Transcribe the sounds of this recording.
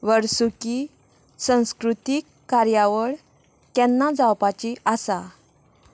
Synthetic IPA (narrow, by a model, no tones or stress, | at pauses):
ʋəɽsuki | sə̃w̃skɾut̪ikːaɾjaʋəɭ | k̪ɛnːad͡zawpat͡ɕiʔasa